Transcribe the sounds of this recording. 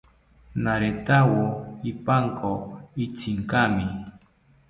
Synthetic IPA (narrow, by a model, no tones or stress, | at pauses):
naɾet̪awoipaŋkoit͡siŋkami